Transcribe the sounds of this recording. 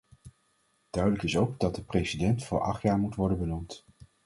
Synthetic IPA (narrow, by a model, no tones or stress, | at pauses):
d̥œɥdələkɪsowkdɑt̚dəprejsidɛntfʊ̰ːɹʔɑ̰χtjaːɹmutʋɔɹdənbənumt